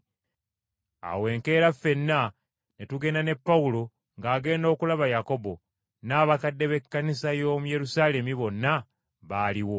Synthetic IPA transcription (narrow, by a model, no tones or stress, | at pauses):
a̰we̞ːŋke̞ːɾafe̞nːa | netuɡe̞ːndane̞pːawulo̞ | ŋɡaːɡe̞ːndo̞ːkulaβajako̞bo̞ | naːβakadːe̞βe̞kːanisajo̞ːmuje̞ɾusaːle̞miβo̞nːa | βaːliwo